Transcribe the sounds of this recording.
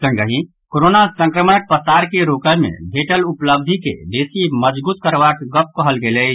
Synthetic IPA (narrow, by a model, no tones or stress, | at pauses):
sə̃ŋɡəɦĩ | koɾonasə̃ŋkɾəmənək̚pəsaɾkeɾokəjmḛbʱeʈəlupləb̚d̪ʱikḛd̪esiməd͡ʒbuːt̪̚kəɾbakɡəp̚kəɦəlɡelə